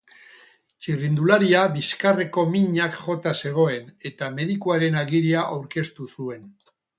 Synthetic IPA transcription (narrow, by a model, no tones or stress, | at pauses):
t͡ʃirind̪ulaɾiaβiskare̞ko̞miɲakʝo̞t̪ase̞ɣ̞o̞e̞ne̞t̪ame̞ðikuaɾe̞naɣiɾiaʔawɾke̞st̪usue̞n